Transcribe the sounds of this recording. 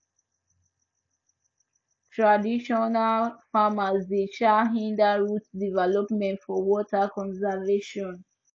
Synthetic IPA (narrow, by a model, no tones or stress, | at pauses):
tʰɹadiʃɔnalfamazdet͡ʃaɦĩndaɹutdivɛlɔpmɛ̃ntfɔwɔtakʰɔ̃nsaveʃɔ̃n